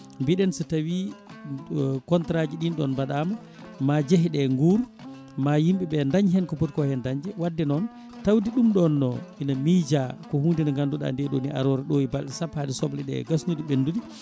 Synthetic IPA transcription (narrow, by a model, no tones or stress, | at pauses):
mbiɗɛnsitawi | kɔntɾad͡ʒiɗinɗɔ̰nbaɗama | mad͡ʒeɦiɗɛŋɡuːɾ | majimɓiɓɛndaɲɦɛnkɔpɔtkɔhɛndaɲd͡ʒɛwadːɛnɔn | tawdiɗumɗɔnːɔ̰ʔinamiːd͡ʒakɔhundɛnaŋɡanduɗa̰ndɛɗoniʔa̰ɾɔɾɛɗoibalɗɛsaphadɛsɔblɛɗɛ̰ɡasnudiɓenːdudi